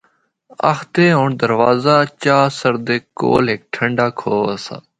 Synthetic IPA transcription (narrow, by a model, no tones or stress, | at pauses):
ə̰xt̪eːɦoːɳd̪əɾʋaːzaːt͡ʃaːsəɾd̪eːko̰ːlɦek̚ʈʰəɳɖaːkʰoːəsa̰ː